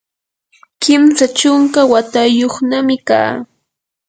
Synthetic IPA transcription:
kɪmsat͡ʃʊŋkawat̪ajoχnamɪka̰ː

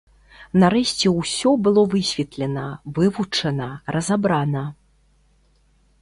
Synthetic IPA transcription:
naɾɛɕʲt͡sʲɛwsʲɔbɨlˠɔvɨsʲvʲɛt̪lʲɛnɐvɨvut͡ʂɐnɐɾɐzabɾanɐ

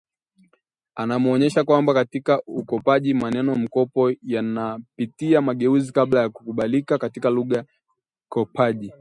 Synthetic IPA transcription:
anamuɔɲɛʃakwambakatikaukɔpaʄimanɛnɔm̩kɔpɔjanapitiamaɠɛuzikaɓlajaku̥kuɓalikakatikaluɠa | kɔpaʄi

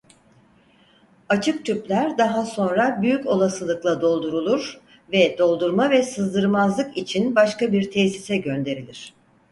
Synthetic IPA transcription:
at͡ʃʰɯk̚t̪ʰyplʲæɾd̪aɦaso̞nɾabyjyco̞lˠasɯlˠɯklˠad̪o̞lˠd̪uɾulˠuɾ̥ | vɛd̪o̞lˠd̪uɾmavɛsɯzd̪ɯɾmazlˠɯkit͡ʃʰinbaʃkabiɾt̪ʰɛsisɛɟø̞nd̪e̞ɾilʲiɾ̝̥

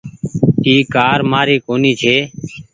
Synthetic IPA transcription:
iːkaːɾmaːɾiːkoːniːt͡ʃʰeː

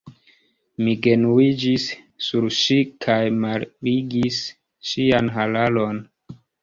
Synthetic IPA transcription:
miɡe̞nuid͡ʒisː | uɾʃikʰajmalbiɡis | ʃianɦalalo̞n

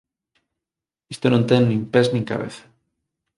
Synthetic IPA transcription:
ist̪onõnt̪eŋnĩmpeznĩŋka̰βḛθḁ

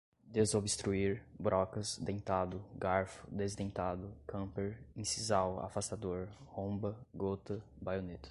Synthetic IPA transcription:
d̪ezobɪst̪ɾuiɾbɾɔkɐsd̪ẽj̃t̪ad̪ʊɡaɾfʊ̥d̪ezd̪ẽt̪ad̪ʊkʰɐ̃peɾĩsizawa̰fast̪ad̪oɾhõbɐɡot̪ɐ | bajonet̪ɐ̥

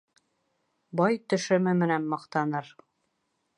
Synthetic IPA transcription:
bɑjt̪ɵ̆ʃɘ̆mɘmɘ̆nænmɑqt̪ɑnɤɾ

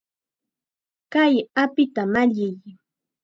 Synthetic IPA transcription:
kajapɪt̪amaʎɪj

